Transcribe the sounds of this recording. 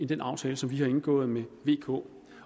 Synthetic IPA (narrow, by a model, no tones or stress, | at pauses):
end̥enɑ̈ʊt͡sʰɛːləsɒ̽mʋihɑ̈e̝nɡ̥ɔ̰̽ːð̩ˠmeʋe̝̰ːkʰɔ̰̽ː